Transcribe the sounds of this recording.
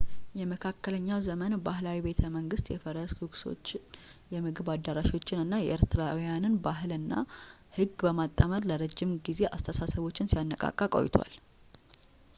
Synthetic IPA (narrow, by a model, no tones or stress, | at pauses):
jɛməkʰakːələɲːawzəmənbahlawibe̞t̪ʰəməŋɡɨst̪jɛfəɾəshɨɡso̰t͡ʃːjɛmɨɡɨβad̪ːəɾaʃwo̞t͡ʃːɪnɨnːajɛ̰ʔəɾt̪ʰɾawjanɨnbaɦɨlɨnːa̰hɨɡbəmat̪ʼːəməɾləɾəd͡ʒːɪmɡize̞ʔast̪ʰəsasəβo̞t͡ʃːɪnsijanːəkʼa̰kʼːakʼo̰jɪt̪ʰwa̰l